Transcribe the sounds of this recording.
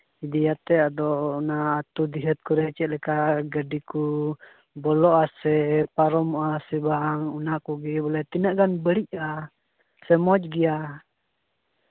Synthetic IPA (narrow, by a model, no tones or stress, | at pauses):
idijat̪ɛadɔnaːt̪udiɦɛt̪̚kuɾɛt͡ʃɛʔlɛkaɡədiku | bɔlɔasɛpaɾɔmuasɛbaŋunakuɡibɔlɛt̪inaʔɡanbəɾiʔa | sɛmɔd͡ʒɡia